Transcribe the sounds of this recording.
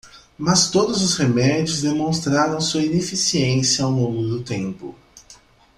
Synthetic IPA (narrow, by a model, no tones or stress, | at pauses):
mast̪od̪ʊzʊshemɛd͡ʒiʊzd̪emõst̪ɾaɾɐ̃w̃suɐinefisiẽsjɐawlõŋɡʊd̪ʊt̪ẽmpʊ̰